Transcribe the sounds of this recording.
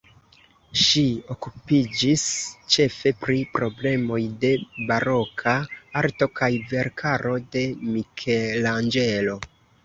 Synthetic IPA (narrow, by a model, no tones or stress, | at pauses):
ʃio̞kupid͡ʒist͡ʃe̞fe̞pɾipɾo̞ble̞mo̞jde̞baɾo̞kʰaaɾto̞kajve̞ɾkʰaɾo̞de̞mikʰeland͡ʒe̞lo̞